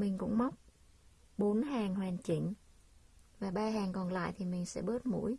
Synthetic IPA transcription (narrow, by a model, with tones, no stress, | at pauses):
mï˨˩ŋ̟kʊ̰˧˥ŋ͡mma˦˥wk͡p̚ | ɓo˨˦nhaː˨˩ŋhwɛː˨˩nt͡ɕi˧˩ŋ | vaː˨˩ɓaː˧haː˨˩ŋkɔ˨˩nla̰ː˧˨jt̪ʰi˨˩mï˨˩ŋ̟sɛ̰˧˥ɓə˦˥t̚mṵ˧˥j